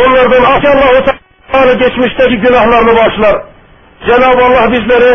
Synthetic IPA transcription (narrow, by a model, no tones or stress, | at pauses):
onlˠɑɾd̪ɑnɑkʰɑlˠːɑɦus | ɑnɯɡet͡ʃmiʃt̪ɛkʲiɡʲynɑhlˠɑɾnɯbɑʃlˠɑɾ | d͡ʒænɑbɑlˠːɑhbizlæɾɪ